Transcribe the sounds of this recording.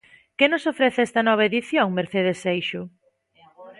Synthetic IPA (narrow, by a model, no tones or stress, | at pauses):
kenʊsofɾɛθɛst̪ɐnɔβ̞ɐeðiθjoŋmeɾθeðesejʃʊ